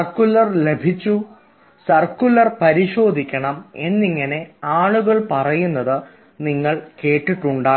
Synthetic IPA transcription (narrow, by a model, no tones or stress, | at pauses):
ɐrkːulɐrle̞bʱit͡ɕːu | sɐrkulɐrpɐɾiɕo̞ːd̪ʱikʲːɐɳɐme̞nːiŋːɐne̞aːɭuɣɐɭpɐrɐjunːɐðɨ | niŋːɐɭke̞ːʈːiʈːuɳɖaː